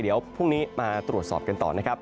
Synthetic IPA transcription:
jdi˩˦əwpʰu˥˩ŋniː˦˥maː˧t̪ɾu˨˩ət̪̚sɔ̰ː˨˩p̚ka˧nt̪ɔ̰ː˨˩na˦˥kʰa˦˥p̚

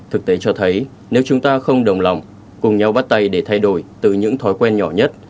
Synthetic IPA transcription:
t̪ʰɨ˨˩k̚t̪e˨˦t͡ɕɔ˧t̪ʰə˨˦j | ne˨˦wt͡ɕʊ˨˦ŋ͡mt̪aː˧xə˧wŋ͡mɗə˨˩wŋ͡mla˨˩wŋ͡m | kʊ˨˩ŋ͡mɲa˧wɓa˦˥t̚t̪a˧jɗe˧˩t̪ʰa˧jɗo˧˩jt̪ɨ˨˩ɲɨ̰˧˥ŋt̪ʰɔ˨˦jkwɛ˧nɲɔ˧˩ɲə˦˥t̚

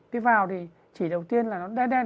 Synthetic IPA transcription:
k̪i˨˦vaː˨˩wt̪ʰi˨˩ | t͡ɕi˧˩ɗə˨˩wt̪i˧ənlaː˨˩nɔ˨˦ɗa˧˦ɗɛ˧

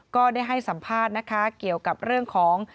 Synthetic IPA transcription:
kɔː˥˩daː˥˩jɦa˥˩jsa˩˦mpʰaː˥˩t̪̚na˦˥kʰa˦˥ki˨˩əwka˨˩p̚ɾɯ˥˩əŋkʰɔː˩˦ŋ

